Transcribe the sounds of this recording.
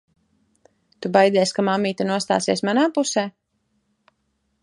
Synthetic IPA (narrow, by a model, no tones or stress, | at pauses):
t̪ubajd̪ɛsʲkamamːiːt̪anuɔst̪a̰ːsiɛsmanaːpusɛː